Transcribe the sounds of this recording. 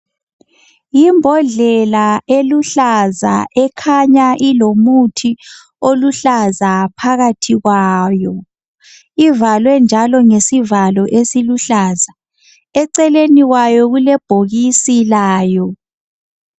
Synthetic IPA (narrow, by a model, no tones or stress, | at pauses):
jimbʱɔɮɛlaʔeluɬaza̰ʔɛkʰaɲaʔilomutʰi | oluɬazapʰaɣatʰiɣwaːjɔ | ivalwɛnd͡ʒʱalɔŋesivalɔʔesiluɬaːza | ɛǀɛleniɣwajɔɣulɛb̥ʱoɣisilaːjɔ